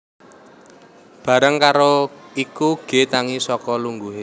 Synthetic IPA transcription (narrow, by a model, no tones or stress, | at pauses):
b̥ä̤ɾəŋkaɾoikuɡ̥e̤t̪aŋisɔkɔluŋɡuɦe